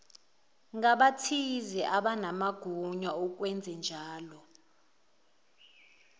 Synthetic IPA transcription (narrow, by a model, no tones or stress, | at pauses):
ŋaɓatʰizɛʔaɓanamaɡ̥ʱuɲauk̬ʼwɛnd͡zʱɛnd͡ʒʱaːlɔ